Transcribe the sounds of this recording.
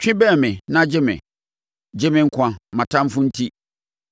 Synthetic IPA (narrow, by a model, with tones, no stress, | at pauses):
t͡ɕʰᶣɪ̃˦bɛ˦˨mɪ̃˨nã˦d͡ʑɪ˦mɪ̰̃˨ | d͡ʑɪ˦mɪ̃˨ŋ̩˦kʷʰã˦mã˨tʰã˦m̩˦fʊ̃˦n̩˦tʰi˦